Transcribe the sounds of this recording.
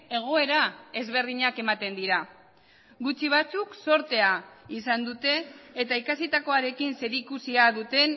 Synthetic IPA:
e̞ɣ̞o̞e̞ɾae̞zβe̞ɾðiɲake̞mat̪e̞nd̪iɾa | ɡut͡ʃiβ̞at͡sukso̞ɾt̪e̞aisand̪ut̪e̞ːt̪aikasit̪ako̞aɾe̞kinse̞ɾikusiaðut̪e̞n

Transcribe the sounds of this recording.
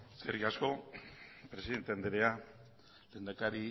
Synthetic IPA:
seɾɣiasko̞ | pɾesiðe̞nt̪eand̪eɾea | leːnd̪akaɾi

